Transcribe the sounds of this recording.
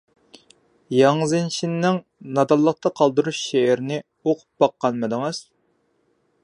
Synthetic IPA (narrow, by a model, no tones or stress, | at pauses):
jɑŋzɨnʃinːɪŋ | nɑd̪ɑlˠːəq̚t̪ʰɑqʰɑlˠd̪uɾuʃʃeɪɾnɪ | oqʰu̥p̚b̥ɑqːɑnmɨd̪ɨŋɨz̥